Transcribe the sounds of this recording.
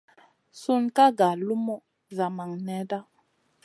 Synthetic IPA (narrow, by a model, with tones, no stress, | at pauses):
su˦nka˦ɡa˨lu˦mɔ˦˨ | za˨ma˨ŋnɛ˨˦da˦